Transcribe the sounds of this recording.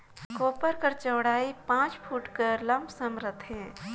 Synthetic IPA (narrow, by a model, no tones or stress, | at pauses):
koːpəɾkəɾt͡ʃɐwɽaːipãːt͡ʃfʰuːʈkəlɐ̃mpsəmɾət̪ʰɦɛ̃ː